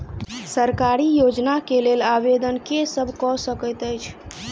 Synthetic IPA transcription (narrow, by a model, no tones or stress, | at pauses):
səɾkaɾijod͡ʒnakelelabed̪ənkesəbʱkɔsəkəjt̪əjt͡ʃʰ